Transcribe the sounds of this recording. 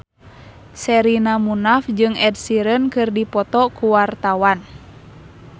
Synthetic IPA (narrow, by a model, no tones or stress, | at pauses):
sɛɾinamunafd͡ʒɨŋɛd̚siɾənkɨrdipɔt̪ɔkuwart̪awan